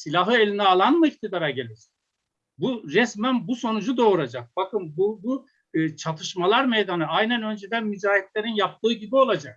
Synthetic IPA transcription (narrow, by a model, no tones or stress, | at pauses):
silʲaɦɯelʲinɛalˠanmɯict̪ʰid̪aɾaɟelʲiɾ | buɾɛsmænbuso̞nud͡ʒud̪o̞ɾad͡ʒak̚b̥akɯnbubu | t͡ʃʰat̪ʰɯʃmalˠaɾmejd̪anɯajnænø̞nd͡ʒed̪ænmizaːjɛt̪lʲe̞ɾinjap̚t̪ʰɯːɡɟibio̞lˠad͡ʒak̚